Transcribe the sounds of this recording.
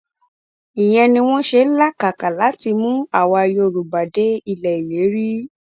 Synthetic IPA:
i˨j̃ɛ̃˧nĩ˧w̃ɔ̃˦ʃe˧˦n̩˦la˦ka˨ka˨la˨˦ti˧mũ˦a˦˨wɔ˧a˧jo˧˨ɾu˨ba˨de˨˦i˦˧˨lɛ˨i˨we˨˦ɾi˦

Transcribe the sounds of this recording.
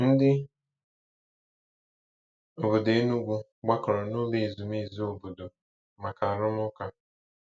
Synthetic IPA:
n̩˦dɪ˦ | o˨bo˨de˨˦nu˦ɡʷu˦ | ɡ͡ba˦kɔ˨ɾɔ˨nʊ˦li˨zu˨m˦i˦˨zu˦o˨bo˨do˨ | ma˨ka˨ɾʊ˦mʊ˦ka˦

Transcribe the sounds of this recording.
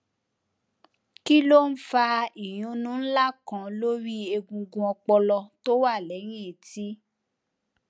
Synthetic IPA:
ki˦lo˦n̩˦fa˧i˨j̃ũ˨˦nũ˨˦n̩˦la˦˨kã˨˦lo˦ɾi˦e˧ɡũ˧ɡũ˧ɔ˧k͡pɔ˧lɔ˧to˦wa˦˨lɛ˨˦ɾ̃ĩ˦e˨ti˦

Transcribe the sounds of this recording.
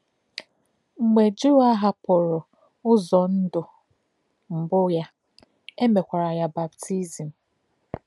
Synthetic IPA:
ŋ͡m̩˨me˨d͡ʒu˦a˦ɦa˦pʊ˨ɾʊ˨ | ʊ˦zɔ˨n̩˦dʊ˨ | m̩˨bʊ˦ja˦ | e˦me˨kʷa˨ɾa˨ja˦ba˨btʰi˦zi˨m̩˨

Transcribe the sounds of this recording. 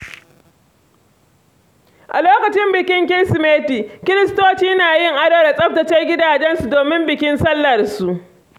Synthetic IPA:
ʔa̰˨loː˦kɐ˨t͡ʃɪ˦mbɪ˨kʲɪ˦ŋkʲɪ˦nsɪ˨meː˦tiː˨kʲɪ˦ɾɪ˦stoː˦t͡ʃiː˦naː˨jɪ˦ŋʔa˦ɽa˦wda˨sʼɐ˦p̚tɐ˨t͡ʃɛ˦rɡʲɪ˦daː˨d͡ʒɛ˦nsu˨doː˨mɪ˦mbɪ˨kʲɪ˦nsɐ˦lːɐ˨rsu˨ʔ

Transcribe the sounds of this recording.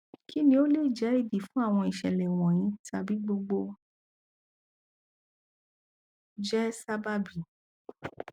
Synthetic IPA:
kʰi˦nĩ˧o˦le˦˨d͡ʒɛ˨˦i˦˨di˨fũ˦a˦˨w̃ɔ̃˧i˨ʃɛ̰˨lɛ˨w̃ɔ̃˨j̃ĩ˨˦ta˧bi˨˦ɡ͡bo˧ɡ͡bo˧ | d͡ʒɛ˦sa˦ba˦bi˨

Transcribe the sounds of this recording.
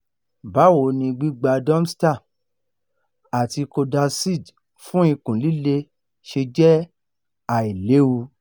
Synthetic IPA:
ba˨˦wo˨˦nĩ˧ɡ͡bi˦ɡ͡ba˧dɔ̃˦m˦sta˦˨ | a˨ti˧ko˧da˧si˦˨d | fũ˦i˧kũ˨li˦le˦ | ʃe˧d͡ʒɛ˦ | a˨i˨le˨˦u˧

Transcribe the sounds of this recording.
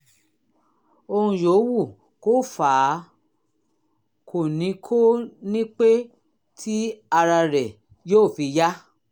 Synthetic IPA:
o˧hũ˧jo˨˦wu˦˨ | ko˦˨faː˨˦ | kʰo˨nĩ˨˧˦kʰo˦nĩ˦k͡pe˦ | tʰi˦a˧ɾa˧ɾɛ˨ | joː˦˨fi˨˧ja˦

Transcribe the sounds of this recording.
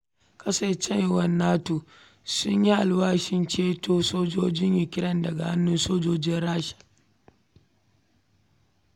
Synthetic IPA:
kʰɐ˦sa˨t͡ʃɛ˦n˨wɐ˦nːaː˦toː˨ | sʊ˦ɲji˦ʔa˨lwaː˦ʃɪ˦nt͡ʃeː˦toː˦soː˦d͡ʒoː˦d͡ʒɪ˦ɲjɪ˨kʲɪ˦ɾɐ˦ndɐ˨ɡa˨ha˦nːʊ˦nsoː˦d͡ʒoː˦d͡ʒɪ˦nɾaː˦ʃḁ˨

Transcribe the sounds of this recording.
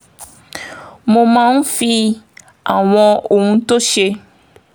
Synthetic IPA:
mo˧mã˦n̩˦fi˧ | a˨w̃ɔ̃˧o˨hũ˧to˦ʃe˧

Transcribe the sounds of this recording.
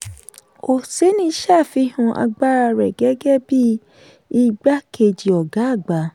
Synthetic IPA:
o˨se˨˦nĩ˦ʃa˦˨fi˧˦hũ˧ʔa̰˧ɡ͡ba˦ɾa˧ɾɛ˨ɡɛ˦ɡɛ˦bi˦ | i˧ɡ͡ba˦ke˧˨d͡ʒi˨ɔ˨ɡa˨˦˨ɡ͡ba˨˦

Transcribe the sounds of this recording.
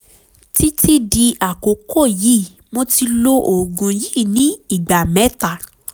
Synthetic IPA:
ti˦ti˦di˧a˨ko˨˦kʰo˦˨ji˨˦˨ | mo˧ti˧lo˧ʔo˨ɡũ˨ji˦˨nĩ˦i˦˨ɡ͡ba˨mɛ̃˨˦ta˦˨

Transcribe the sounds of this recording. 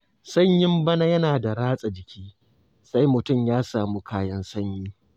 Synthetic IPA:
sɐ˦ɲjɪ˦mbɐ˦na˦jɐ˦naː˨da˨ɾaː˦sʼa˨d͡ʒɪ˨kʲiː˦ | sa˦jmʊ˨tʊ˦˨mjaː˦saː˨muː˦kʰaː˦jɐ˦nsɐ˦ɲjiː˦

